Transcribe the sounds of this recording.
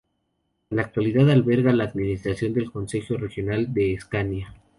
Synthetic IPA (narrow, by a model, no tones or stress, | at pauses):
enlak̚t̪waliðaðalβe̞ɾɣalaːðminist̪ɾasjo̞nd̪e̞lko̞nse̞xjo̞re̞xjo̞nald̪e̞ːskanja